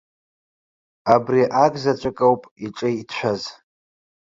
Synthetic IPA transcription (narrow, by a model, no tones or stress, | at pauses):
abriʔaɡʼzat͡ʃʷʼakʼawpʼiʈ͡ʂʼejtʰʃʷᶣaz